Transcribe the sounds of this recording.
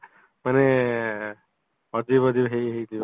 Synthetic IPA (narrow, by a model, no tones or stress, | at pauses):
manɛ | ɔd̪ibɔdibɦejɦejdib